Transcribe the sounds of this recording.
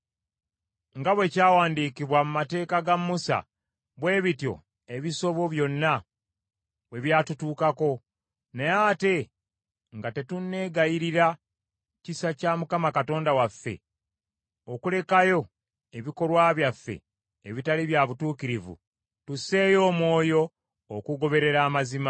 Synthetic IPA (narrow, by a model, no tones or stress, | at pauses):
ŋɡaβwe̞ːcaːwaːndiːkiβwamumate̞ːkaɡamːusa̰ | βwe̞ːβitjo̞̰ | e̞βiso̞βo̞βjo̞nːa | we̞βjaːtutuːkako̞ | nejate̞ | ŋɡate̞tunːe̞ːɡajiɾiɾa | cisacaːmukamakato̞ːndawafːe̞̰ | okule̞kajo̞ | e̞βiko̞lwaːβjafːe̞̰ː | βitaliβjaβutuːkiɾivṵ | tuse̞ːjo̞ːmwo̞ːjo̞ː | kuɡo̞βe̞ɾe̞ɾaːmazima